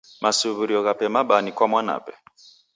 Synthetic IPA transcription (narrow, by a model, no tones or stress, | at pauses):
masuβuɾiɔɣapɛmaɓanikwamwana̰pɛ̥